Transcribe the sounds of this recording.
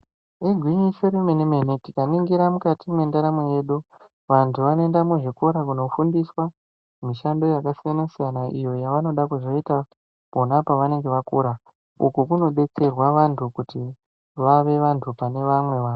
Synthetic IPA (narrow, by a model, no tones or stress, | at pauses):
eɡʱwiɲiʃoɾemenime̞netikaniŋɡiɾamukatimwendaɾamweje̞ɗu | ʋantʰuʋanoendamuʐiko̞ɾak̬uno̞fundiswa | miʃando̞jakasijanasijanaʔḭjo̞jaʋano̞ɗakuzo̞ita | po̞napaʋane̞ŋɡe̞ʋakuɾa | ṵkukuno̞ɓe̞t͡se̞rwaʋantʰukuti | ʋaʋe̞ʋantʰupane̞ʋamwe̞ʋaːo